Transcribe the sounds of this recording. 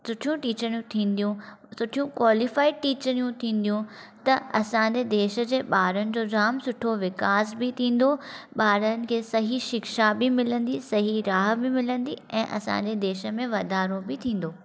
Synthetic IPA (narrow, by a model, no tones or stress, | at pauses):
sʊʈʰijũʈiːt͡ɕəɾijũt̪ʰĩːnd̪ijũ | sʊʈʰijũkwaːlɪfaːɪʈiːt͡ɕəɾijũt̪ʰĩːn̆d̪ijũt̪ɐɐsãːɲd͡ʑed̪eːʃə̆d͡ʑeːɓaːɾənɪ̆d͡ʑoːd͡ʑaːmsʊʈʰoʋɪkaːzbɪt̪ʰĩːn̆d̪oɓaːɾənɪ̆kʰeːsɐɦiʃɪkʃabɪmɪlə̃nd̪isɐɦiɾaːɦbɪmɪlə̃nd̪iɛ̃ːʔɐsã̰ːɲd͡ʑed̪eːʃə̆mẽʋɐd̪aːɾõbɪt̪ʰĩːn̆d̪oː